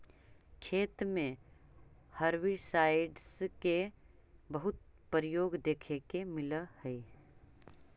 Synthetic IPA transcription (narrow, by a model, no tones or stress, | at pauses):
kʰeːt̪mẽ | hɐɾwisaːɪɖske | bɐɦʊt̪̚ | pəɾɪjoːɡd̪eːkʰekemɪləhɛi